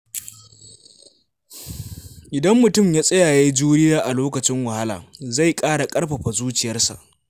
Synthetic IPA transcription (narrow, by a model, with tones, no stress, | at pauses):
ʔɪ˨dɐ˦mːʊ˨tʊ˦˨mjaː˦sʼɐ˦jaː˨jeː˦d͡ʒuː˦ɽɪ˦jaː˦ʔa˨loː˦kɐ˨t͡ʃɪ˦ŋwɐ˨ha˦la̰ː˨za˦˨jkʼaː˦ɽa˨kʼɐ˦rɸɐ˨ɸa˨zuː˦t͡ʃɪ˨jɐ˦rsa̰˨ʔ